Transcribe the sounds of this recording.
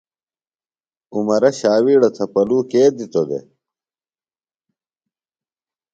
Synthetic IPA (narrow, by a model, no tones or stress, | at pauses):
umɐɾɐɕaːwiːɽot̪ʰɐpɐluːkeːd̪it̪od̪ḛ